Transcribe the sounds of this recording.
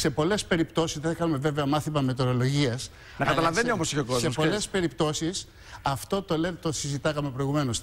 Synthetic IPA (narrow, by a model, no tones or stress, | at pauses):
se̞po̞le̞spe̞ɾipt̪o̞sisðeθekɐumeveveɐmɐθimɐme̞t̪e̞ɾo̞lo̞ʝiɐs | nɐkɐt̪ɐlɐvennio̞mosiçokozsespo̞le̞spe̞ɾipt̪o̞sis | ɐft̪o̞t̪olet̪osizit̪ɐkɐme̞pɾo̞iɣume̞nos